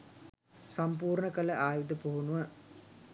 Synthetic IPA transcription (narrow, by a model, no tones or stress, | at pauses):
sampuːɾɳəkələʔaːjud̪əpoɦunuʋə